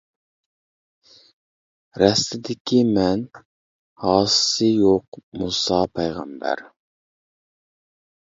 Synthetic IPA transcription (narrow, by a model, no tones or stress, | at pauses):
ɾɛst̪ɪd̪ɪkʲʰimɛn | hɑːsɨ̥sɨjoqmusɑpʰɛjʁæ̰mbæ̰ɾ